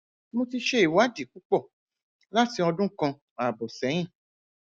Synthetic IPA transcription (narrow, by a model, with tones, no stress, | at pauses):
mo˧ti˧ʃe˦i˨wa˨˦di˦˨k͡pu˦k͡pɔ˦˨ | la˦ti˨˧ɔ˧dũ˦kã˧ | a˨bo˨sɛ˨˦j̃ĩ˦˨